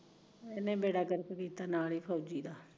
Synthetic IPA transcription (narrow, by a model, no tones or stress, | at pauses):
ɛːnẽːbeːɽaːkəɾək̪kiːt̪aːnaːliːpʰɔːd͡ʒiːd̪aː